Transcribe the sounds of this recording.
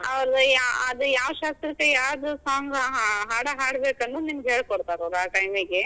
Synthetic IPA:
ɐʋɐɾɐd̪ɐjaːɐd̪ɐjaːʋɐʃaːst̪ɾɐkːejaːɾd̪usaːŋɡɐɦɦaːɽɐɦaːɽbeːkɐnːunimɐɡɦeːɭkoɽt̪aːɾoːɾaːʈɐjmiɡe

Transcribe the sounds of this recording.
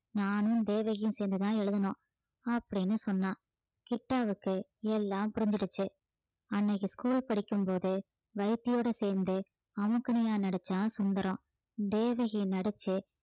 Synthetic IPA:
naːnɯ̃d̪eːʋɐɣɪjɯ̃seːɾnd̪ɯt̪ãːɛɻɯðɐnõː | ɐpːɐɽɪnːɯsɔnːãː | kɪʈːaːʋɯkːɯɛlːaːmpʊɾɪɲd͡ʒɪɽɯt͡ʃːɯ | ɐnːɐɣɯskuːlpɐɽɪkːɯmpoːðɯ | ʋɐɪt̪ːɪjoːɽɐseːɾnd̪ɯ | ɐʋɐkːɐɳɐjaːnɐɽɐt͡ʃːaːsʊnd̪ɐɾõː | d̪eːʋɐɣɪjnɐɽɛt͡ʃːɯ

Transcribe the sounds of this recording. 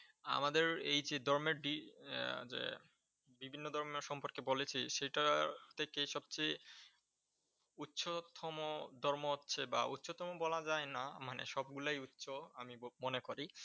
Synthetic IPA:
a̰mad̪eɾejd͡ʑed̪ʱɔɾmeɾɖi | d͡ʑḛ | bibʱinːod̪ʱɔɾmeɾʃɔmpoɾkebolet͡ɕʰiʃejʈat̪ʰekeʃɔb̚t͡ɕej | utːɕʰot̪ʰɔmod̪ʱɔɾmoɦotːɕʰeba̰ṵtːɕʰot̪ʰɔmobɔlad͡ʑaenamanḛʃɔb̚ɡulajutːʃʰoamimonekoɾi

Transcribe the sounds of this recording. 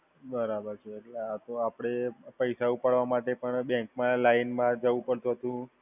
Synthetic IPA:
bəɾabəɾt͡ʃʰeːʈleat̪oapɽ̃epəjsaupaɽʋamaʈepəɳbɛ̃ŋkmãlainmãd͡ʒəʋũpəɽt̪ũɦət̪ũ

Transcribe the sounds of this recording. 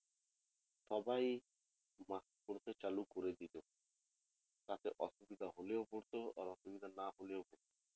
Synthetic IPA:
ʃɔbaj | maskoɾt̪et͡ʃalukoɾed̪ilo | t̪at̪eʔɔʃubid̪ʱaɦoleopoɾt̪oa̰ɾɔʃubid̪ʱanaɦoleoboɾt̪o

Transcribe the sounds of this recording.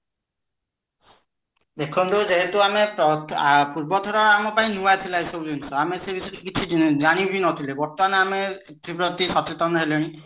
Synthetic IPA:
d̪ekʰɔnt̪uzeɦet̪uamɛpɔpuɹbɔt̪ʰɔɾɔamɔpaĩnuwat̪ʰilajsowzɔnsɔamesɛbʱisɔdkit͡ʃʰizañibinɔt̪ʰilebɔɾt̪ɔmanɔamɛ | t̪ɾipɾɔt̪isɔtit̪ɔnɦeleñĩ

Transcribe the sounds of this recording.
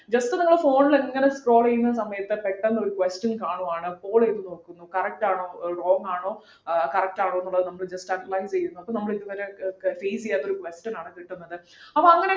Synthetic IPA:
d͡ʑɐstɨnɐŋːɐɭfo̞ːɳileŋːɐne̞skro̞ːɭejunːɐs̬ɐmɐjɐt̪ːɨpeʈːɐnːɐo̞ɾukʋesʈɐnkaːɳuaːɳɨpːo̞ːɭeːðuno̞ːkːunːukɐrɐk̚ʈaːɳo̞ːro̞ːŋɡaːɳo̞ː | kɐrɐk̚ʈaːɳoːenːuɭːɐðɨnɐmːɐɭd͡ʑɐstɐʈːɐlajst͡ɕe̞jɾunːuɐpːonɐmːɐɭiðuʋɐɾefeːst͡ɕijaːt̪ːoɾukʋesʈɐnaːɳɨkiʈːunːɐðɨ | ɐpːoɐŋːɐne

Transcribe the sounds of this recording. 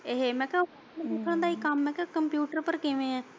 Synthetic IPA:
eɦeːmɛ̃ːkɛ̃ | d̪ekʰəɳ̃d̪aːikamːɛ̃ːkɛkəmpjuːʈəɾpəɾkɪʋẽːɛ̃ː

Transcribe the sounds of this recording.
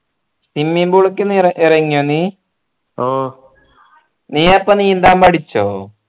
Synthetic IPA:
simːimbuɭokːenɐʔirɐŋːijoːniː | o | niːɐpːɐniːend̪aːmpɐʈit͡ɕːo̰ː

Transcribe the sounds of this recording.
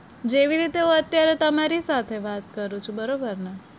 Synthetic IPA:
d͡ʒeʋiɾit̪eɦũət̪jaɾet̪əmaɾisat̪ʰeʋat̪kəɾũt͡ʃʰubəɾobəɾna

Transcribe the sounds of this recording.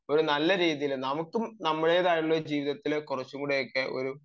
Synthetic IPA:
o̞ɾunɐlːɐɾiːðijilnɐmukːumnɐmːɐɽe̞ːðaːjiɭːɐd͡ʑiːʋiðɐt̪ːilkurɐt͡ɕːuŋɡuɽejokːeʔo̞̰ɾu

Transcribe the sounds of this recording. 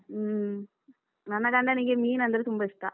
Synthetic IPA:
nɐnːɐkaɳɖaniːŋɡemiːnɐnd̪ɐðɯt̪umbɐɪst̪ːa̰ː

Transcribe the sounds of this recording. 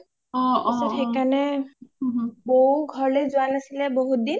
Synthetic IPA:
ɔ̃ɔsaɾɦekane | boɦuɡʱɔɹlezuanasileboɦud̪in

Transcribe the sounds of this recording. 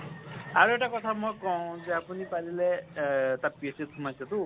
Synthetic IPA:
aɾueʈakɔt̪ʰamɔjkɔ̃d͡zapunipalilet̪apeset̪kʰumajsʰɔt̪u

